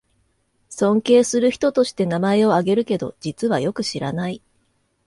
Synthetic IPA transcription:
sõ̞ŋke̞ːsɨɾɯ̟çi̥t̪o̞t̪o̞ɕi̥t̪e̞namae̞o̞aɡe̞ɾɯ̟ke̞d̪o̞̰d͡ʑit͡sɨβajo̞kɯ̟ɕiɾanai

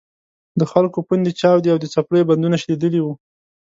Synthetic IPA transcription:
d̪əxalkopund̪et͡ʃɑwd̪iawd̪ət͡sapɽəjband̪unaʃd̪ed̪əliwu

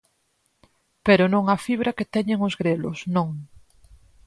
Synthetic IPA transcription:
peɾonõŋafiβ̞ɾʔaket̪eɲẽŋozɣɾelo̰snõŋ

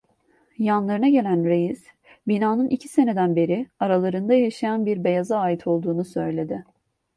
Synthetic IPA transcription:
janlˠaɾɯnaɟe̞lʲænɾejiz̥ | binaːnɯnʔicʰi̥se̞ne̞d̪ænbe̞ɾɪaɾalˠaɾɯnd̪ajaʃajanbiɾbe̞jazaːjit̪ʰo̞lˠd̪uːnusø̞jlʲe̞d̪ɪ

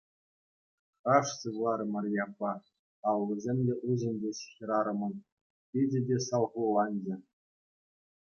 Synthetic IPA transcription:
χɑʂsɯvlˠɑɾɤmɤ̆rʲjɑpːɑ | ɑwlɤ̆zʲemʲdʲeʔuʑɘ̆nʲdʲeɕxʲĭɾɑɾɤ̆mɤ̆n | pʲidʲɘ̆dʲesɑlˠʁulˠɑnʲd͡ʑɘ̆

